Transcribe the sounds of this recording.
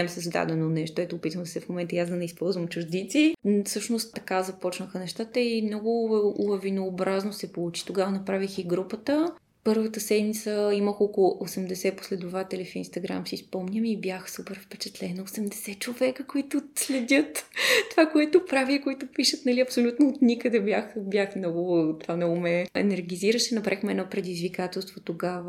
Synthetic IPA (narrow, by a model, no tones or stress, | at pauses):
ɛmsəzd̪a̰d̪ɛnonɛʃt̪oɛt̪oːpit̪vənd̪sɛfmomɛnt̪əiazd̪ɐnɛispɔlˠzvəmt͡ʃuʒd̪it̪sifsɤʃnost̪t̪ɐkazɐpɔt͡ʃnəxənɛʃt̪at̪əimnɔɡʊlˠɐvinoːbɾaznosɛpolˠut͡ʃi̥t̪oɡavənɐpɾavixiɡɾupət̪ə | pɤɾvət̪əsɛd̪mit̪səiməxokolˠʊʔosɛmd̪ɛsɛpo̥slɛd̪ʊvat̪ɛlʲifinst̪ɐɡɾa̰msispɔmnʲəmibjaxsupɛɾfpɛt͡ʃɛt̪lɛnoosɛmd̪ɛsɛt͡ʃovɛkəkoit̪ʊslɛd̪ʲət̪t̪ːovakoɛt̪ʊpɾavikoit̪ʊpiʃət̪nɐliɐpsolʲut̪noːt̪nʲikəd̪ɛbjaxbʲjaxmnɔɡʊt̪vamnɔɡʊmɛɛ̰nɛɾɡʲiziɾəʃɛnɐpɾʔaixmɛɛnɔpɾɛd̪izvikat̪ɛlˠst̪vot̪oɡavə